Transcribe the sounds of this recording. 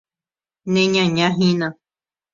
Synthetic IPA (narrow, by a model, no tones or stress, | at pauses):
nẽɲãɲãɦĩnã